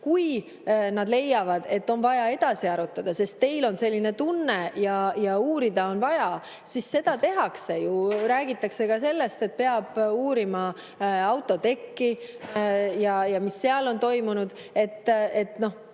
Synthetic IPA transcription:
kuj | nɑd̪le̞jːɑvɑd̪̥e̞t̪ːo̞nvɑjɑe̞d̪̥ɑsiɑɾut̪ːˑɑd̪̥ɑse̞st̪ːe̞jlo̞nse̞lʲːinet̪unːe̞jɑjɑuːɾid̪̥ɑo̞nvɑjɑ | sisse̞d̪̥ɑt̪e̞ɦɑkse̞juɾæːɡ̥it̪ːˑɑkse̞kɑse̞lːe̞st̪e̞t̪̚pe̞ɑb̥uːɾimɑ | ɑwt̪ːˑo̞t̪e̞kːi | jɑjɑmisːe̞ɑlo̞nt̪o̞jmunud̪̥ | e̞t̪ːe̞t̪no̞h

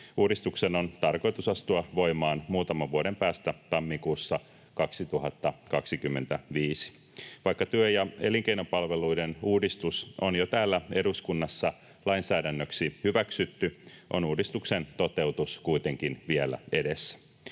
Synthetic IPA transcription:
uːdist̪ukseno̞nt̪ɑrko̞jt̪usɑst̪uɑʋo̞jmɑːnmuːt̪ɑmɑʋʋuoɾe̞mpæːst̪æt̪ɑmːikuːsːɑ | kɑksit̪uɦɑt̪ːɑkɑksikymːe̞nt̪æʋiːsi̥ | ʋɑjkːɑt̪yøjɑe̞liŋk̟eino̞mpɑlʋe̞luidenuːdist̪usʔonjot̪æːlːæe̞duskunːɑsːɑ | lɑinsæːdænːøksihyʋæksyt̪ːyʔo̞̰nuːdist̪ukse̞nt̪o̞t̪e̞wt̪uskujt̪eŋkinʋielæ̰e̞desːæ̥

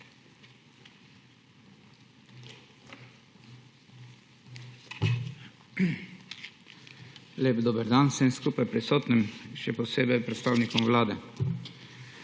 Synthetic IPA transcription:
leːbd̪oːbəɾd̪ansɛmskuːpajpɾisɔːt̪nəmʃɛpɔseːbɛjpɾɛt̪st̪aːwnikɔmʋlaːd̪ɛ

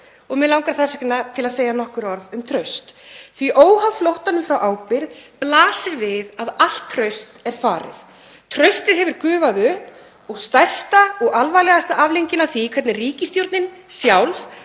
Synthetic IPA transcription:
ɔɣmɪlawŋkaɾθɛsaknːat̪ʰɪlaðseːjanɔhkʏɾɔɾðʏmt̪ʰɾœɥst̪θviʔoːwhavflowht̪anʏmfɾawʔaːwpɪɾplaːsɪɾvɪðaðal̥t̪ʰːɾœɥst̪ɛɾ̥faːɾɪ̰ð | t̪ʰɾœɥst̪ɪðɦɛvʏɾkʏːvaðʏhp | ɔɣst̪ajr̥st̪aɔɣalvajlɛɣast̪aʔavlejɲcɪnaθikʰvɛt̪nɪriːcɪst̪jowɾt̪nɪn | sjawlv

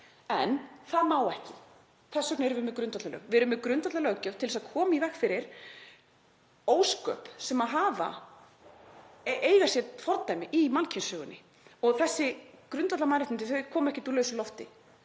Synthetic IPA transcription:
ɛ̰nθaðmaːwɛhcɪ | θɛsœk̚neɛɾʏvɪmɛðkɾʏnt̪at̪lalœ̰ːɣvɛɾʏmːɛkɾʏnt̪atlalœɣcœt̪ʰɪlɛsaðkʰɔːmaivɛxkfɪɾɪɾ̥ | oːwskœ̰psɛmaðɦaːva̰ | ʔeːjɣasjɛfɔɾt̪najmɪʔimalcʰɪnsœːɣʏnːɪ | ɔɣθɛsːɪkɾʏnt̪at̪lamaːɾaht̪ɪnɪθœkʰɔːmʏɛhcɪt̪ulœːɥslɔft̪ɪ

